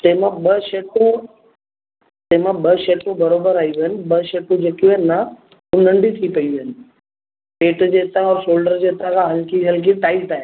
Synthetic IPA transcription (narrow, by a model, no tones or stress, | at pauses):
t̪emãɓɐʃeːʈʰõ | t̪eɦmãɓɐʃeːʈũbɐɾoːbəɾaːiiɦənɪ̆ɓɐʃeːʈũd͡ʑeːkiuenːa | ʊnə̃ɳɖit̪ʰipɐiʋiɦənɪ̆ | peːʈd͡ʑeːt̪ãɔːɾʃoːlɖəɾd͡ʑeːt̪ãkʰãɦɐlkiɦɐlk̬iʈaːɪʈaːɦe